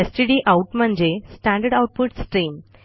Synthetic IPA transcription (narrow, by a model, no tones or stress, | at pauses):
esʈiɖiːʔauʈm̤əɳd͡ʑesʈæ̃ɳɖəɾɖawʈ̚puʈsʈɾiːm